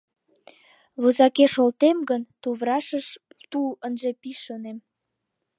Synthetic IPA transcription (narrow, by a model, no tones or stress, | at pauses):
βozɑkeʃolt̪emɡənt̪uβrɑʃəʃ | t̪ulənʒepiʃonem